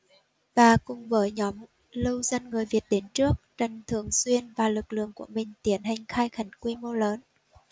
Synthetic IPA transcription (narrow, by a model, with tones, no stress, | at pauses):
vaː˨˩kʊ˨˩ŋ͡mvəː˨˦jɲɔ˨˦m | lɨ˧wzə˧nŋɨ˨˩əjvi˨˩ət̚ɗe˨˦nt͡ɕɨ˦˥ək̚t͡ɕə˨˩nt̪ʰɨ˨˩əŋswi˧ənvaː˨˩lɨ˨˩k̚lɨ̰˧˨əŋku˧˩əmï˨˩ŋ̟t̪i˨˦ənɦa˨˩jŋ̟xaː˧jxa˨˧˩jŋkwi˧mo˧ləː˨˦n